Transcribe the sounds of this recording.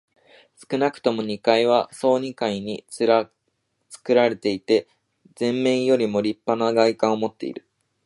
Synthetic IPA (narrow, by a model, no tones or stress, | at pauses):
sɨ̥kɯ̟nakɯ̟̥t̪o̞mo̞ɲ̟ikaiβ̞aso̞ːɲ̟ikaiɲ̟iɾa | t͡sɨ̥kɯ̟ɾaɾe̞t̪e̞it̪e̞ | zẽ̞mːẽ̞ɰ̃jo̞ɾʲimo̞ɾʲipːanaɡaikãɰ̃omo̞t̪ːe̞̰ḭɾɯ̟